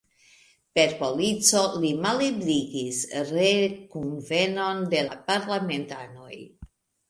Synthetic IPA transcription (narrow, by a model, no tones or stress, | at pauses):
pe̞ɾpo̞lit͡so̞limalebliɡisɾekunve̞no̞nde̞lapaɾlame̞ntano̞̰j